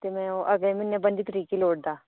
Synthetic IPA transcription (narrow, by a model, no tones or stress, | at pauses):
t̪eːmɛ̃ːoːʔəɡleːmɪnːẽːbənd̪iːt̪əɾiːkiːloːʈ̚d̪aː